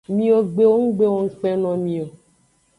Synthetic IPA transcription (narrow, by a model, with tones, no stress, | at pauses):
mĩ˦o˨ɡ͡be˦wo˦ŋ̩˦ɡ͡be˦wo˨ŋ̩˦k͡pɛ˦nɔ̃˨mĩ˨o˨